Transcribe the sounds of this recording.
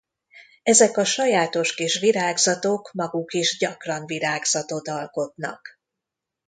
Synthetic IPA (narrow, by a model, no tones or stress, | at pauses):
ɛzɛkɒʃɒjaːt̪o̞ʃkiʃʋiɾaːɡzɒt̪oːkmɒɡukiʒɟɒkrɒɱviɾaːɡz̥ɒt̪o̞t̪ɒlko̞t̪nɒ̰k